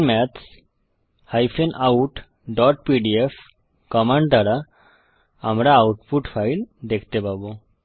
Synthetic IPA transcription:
mɛt̪s | hajpʰenʔauʈ | ɖɔʈpiɖief | kɔmeɳɖ̚d̪aɽa | amɾaːwuʈpuʈpʰajld̪ekʰt̪epabo

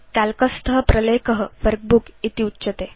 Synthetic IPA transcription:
t̪alkəst̪ʰəɦəpɾəlekəɦəʋəɾk̚bukit̪iutːɕət̪e

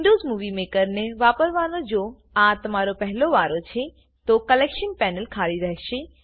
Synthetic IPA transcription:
ʋɳɖozmuʋimekəɾneʋapəɾʋanod͡ʒo | ãt̪əmaɾopəɦloʋaɾot͡ʃʰe | t̪okəlekʃənpɛnəlkʰaliɾəɦʃe

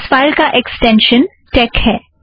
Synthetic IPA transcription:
sfaːɪlkaʔeksʈɛ̃nʃən | ʈɛːkhɛː

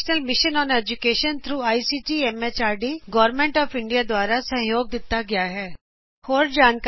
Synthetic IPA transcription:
ʃnəlmɪʃənɔːned͡ʒʊkeːʃənt̪ʰɾuːaːisiʈiːɛmet͡ʃaːɾɖiɡɔːɾmẽɳʈɔːfɪ̃ɳɖijad̪waːɾasɐ̃ɦjoːɡ̚d̪ɪt̪ːaɡɪjaɦɛː | hoːɾd͡ʒaːnk

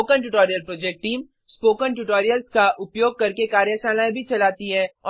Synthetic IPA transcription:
oːkənʈʊʈoːɾijəlpɾoːd͡ʒek̚ʈʈiːm | spoːkənʈuʈoːɾijəlskaʔʊpjoːɡ̚kɐɾkekaːɾjəʃaːnaːẽbʱit͡ʃɐlaːt̪iɦɛːɔː

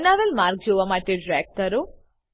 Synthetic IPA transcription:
naːʋelmaːɾk̚d͡ʒoːʋɐmaːʈeɖɾaːk̚t̪ɐɾu

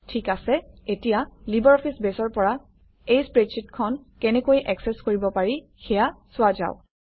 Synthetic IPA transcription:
tʰikasɛetijalibɔɹɔpʰisbɛsɔɹpɔɹa | ejspɹesʰitkʰɔnkɛnɛkojʔɛksɛskoɹibɔpaɹi | xɛjasʊaza̰ʊ

